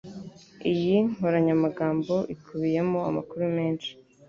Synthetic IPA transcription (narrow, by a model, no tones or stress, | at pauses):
ijiŋ̥oɾaɲamaɡaːmbo̞ʔikʰuβije̞moa̰makuɾume̞ːnʃi̥